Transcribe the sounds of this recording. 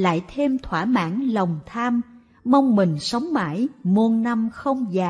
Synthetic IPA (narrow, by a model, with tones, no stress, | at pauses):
la̰ː˧˨jt̪ʰe˧mt̪ʰwaː˧˩ma̰ː˧˥nlə˨˩wŋ͡mt̪ʰaː˧m | ma˧wŋ͡mmï˨˩ŋ̟sə˨˦wŋ͡mma̰ː˧˥jmu˧nna˧mxə˧wŋ͡mzaː˨˩